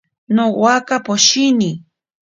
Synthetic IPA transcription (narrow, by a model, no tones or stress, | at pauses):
nowakapoʃini